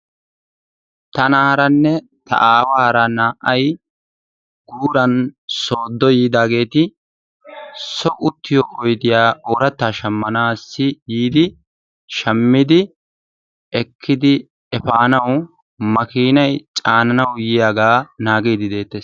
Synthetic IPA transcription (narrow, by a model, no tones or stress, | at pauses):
t̪ɐnahɐɾɐnːɛ | t̪ʰɐ̰ʔaːwahɐɾɐnaːʔɐj | ɡ̥uːɾɐnso̞ːd̪ːɔjiːd̪aːɡe̞ːt̪ɪ | sɔʔʊt̪ːɪjɔːʔɔjd̪ɪjaːʔoːɾɐt̪ːaːʃɐmːɐnaːsːɪjiːd̪ɪ | ʃɐmːɪd̪ɪ | ɛkʰːɪd̪ɪ | ɛfaːnɐw | mɐkiːnɐjt͡ʃʼaːnɐnɐwjɪjaːɡaːnaːɡiːd̪ɪd̪e̞ːt̪ːeːs